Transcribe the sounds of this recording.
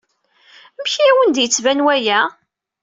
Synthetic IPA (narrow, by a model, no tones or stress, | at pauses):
mçiwənd̪jət͡sːvænwæjæ